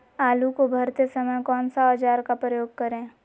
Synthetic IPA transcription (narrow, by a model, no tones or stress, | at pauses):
aːlukobʱɐɾt̪esɐməjkɔːnsaɐd͡ʒaːɾkapɾəjoːɡ̚kɐɾẽː